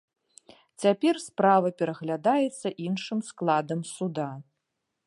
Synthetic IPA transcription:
t͡sʲapʲɛrspɾavɐpʲɛɾɐɣlʲad̪ajɛt̪sːɐʔinʂɨmsklˠad̪ɐmsud̪a

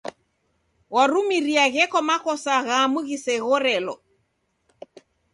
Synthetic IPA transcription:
waɾumiɾiaɣɛkɔmakɔsaɣaːmuɣisɛɣɔɾɛlɔ

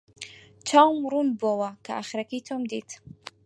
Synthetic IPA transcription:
t͡ʃʰawmɾunbɔwakʰaaχɾakʰit̪ʰɔmd̪it̪ʰ

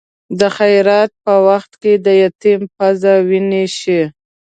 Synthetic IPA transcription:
d̪əxajɾɑt̪̚pəwaxt̪ked̪əjat̪impazawineʃi

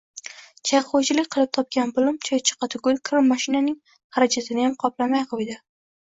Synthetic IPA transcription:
t͡ʃʰajχot͡ʃʰɪlɪkʲqʰɨlˠɪp̚t̪ʰɒp̚kʲanbʊlˠʊmt͡ʃʰɒjt͡ʃʰɨ̥qɑt̪ʰʊɡʲʊlkʰɾɪmːaʃɪnanɪŋ | haɾad͡ʒʰat̪ʰɪnɪjamqʰɒplˠamajqʰod̪ɪ

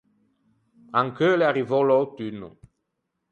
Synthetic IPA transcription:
ãŋkøleaʁivõlot̪ynu

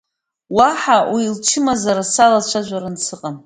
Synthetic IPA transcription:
waħawilt͡ʃʰɪmazaɾasalat͡ʃʷʰaʒʷaɾant͡sʰɨqʼam

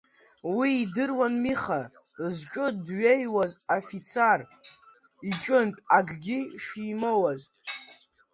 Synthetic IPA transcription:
wiːdɨrwanmiχa | zt͡ʃʼɨdɥe̞jwazafit͡sʰar | it͡ʃʼɨntʼaɡɡʲiʃiːmowaz

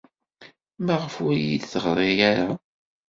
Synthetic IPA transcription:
mæʁəfʊɾjid̪θəʁɾˤejaɾa

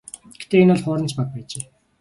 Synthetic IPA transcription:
ɡ̥et̪eːinɔɮχʊːɾə̆nt͡ɕpat̪̚pæːt͡ɕeː

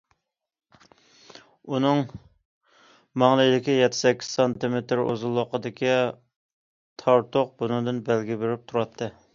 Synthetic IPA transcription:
unɨŋ | mɑŋlˠɨd̪ɪkʲijɛt̪ʰːɪ̥sɛkʲːi̥z̥sɑnt̪ɨmet̪ɾo̰zulˠːʊqəd̪ɪkʲi | t̪ʰɑɾt̪ʰoq̚bunɨŋd̪ɨnbælɡʲibeɾɪp̚t̪ʰuɾɑt̪ʰːɨ

